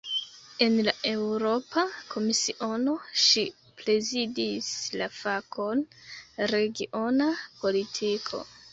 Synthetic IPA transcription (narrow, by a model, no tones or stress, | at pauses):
e̞nlaʔe̞wɾo̞pakʰo̞misiʔo̞no̞ʃi | ple̞zidislafako̞nɾe̞ɡiʔo̞napo̞litʰikʰo̞̰